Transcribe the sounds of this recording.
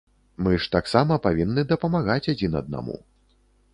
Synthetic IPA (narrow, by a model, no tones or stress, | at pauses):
mɨʂt̪aksamɐpavʲinːɨd̪ɐpɐmaɣat͡sʲad͡zʲinɐ̰d̪̚na̰mṵ